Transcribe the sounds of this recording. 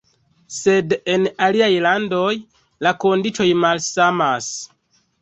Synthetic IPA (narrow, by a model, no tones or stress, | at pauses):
se̞de̞naliajlando̞j | lako̞ndit͡ʃo̞jmalsamas